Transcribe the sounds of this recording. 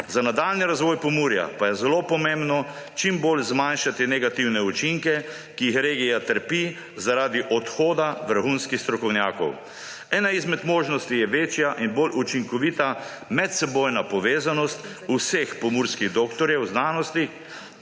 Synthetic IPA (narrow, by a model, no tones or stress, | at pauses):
zanad̪aːlniɾazʋɔːjpɔmuːɾja̰pajɛzɛlopɔmẽmbnɔ | t͡ʃimbolzmanʃat̪inɛɡat̪iwnɛut͡ʃiŋkɛ | kiːxɾeːɡijat̪əɾpi | zaɾaːd̪iʔɔt̪xoːd̪aʋəɾxunskixst̪ɾɔkɔwnjaːkɔ̰w | ɛːnaizmɛd̪moːʒnɔst̪ijɛʋeːt͡ʃjaʔinbolʔut͡ʃiŋkɔʋit̪a | mɛt̪sɛboːjnapɔʋeːzanɔst̪ | usexpɔmuːɾskiɣd̪oːkt̪ɔɾjɛwznaːnɔst̪i